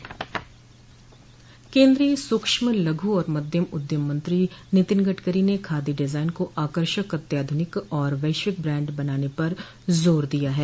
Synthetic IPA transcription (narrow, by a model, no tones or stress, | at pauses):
kẽːnd̪ɾiesʊkʃmlɐɡʱuɔːɾmɐd̪ʱjəmʊd̪jəmːɐ̃nt̪ɾinɪt̪ɪnɡəʈɡəɾinekʰaːd̪iɖɪzaːɪnkoʔaːkəɾʃəkɦɐt̪jaːd̪ʱʊnɪkɔːɾʋɐɪʃʋɪk̚bɾɛ̃ːɳɖbɐnaːnepɐɾ | zoːɾd̪ijaɦɛː